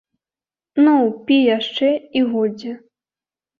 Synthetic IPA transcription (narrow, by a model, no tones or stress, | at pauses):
nuwpʲijaʂt͡ʂɛiɣɔd͡zʲɛ